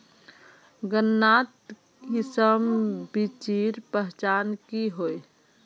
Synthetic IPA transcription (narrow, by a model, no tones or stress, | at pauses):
ɡənːat̪ | isəmbit͡ʃiɾpəɦt͡ʃankiɦoj